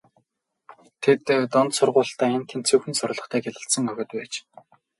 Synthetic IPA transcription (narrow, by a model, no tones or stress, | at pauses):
t̪ʰet̪ːɔnt̪sʊrʁʊːɮt̪æːent̪ʰent͡sʰɵwxɘ̆nsʊr̆ʲɮɞ̆χt̪ʰæːɡeɮə̆ɬt̪sə̆ŋœɣʲɪ̆t̪pæːt͡ɕ